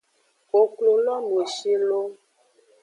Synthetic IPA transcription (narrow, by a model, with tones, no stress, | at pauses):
o˨klo˨lɔ˦nũ˨e˨ʃi˦lo˦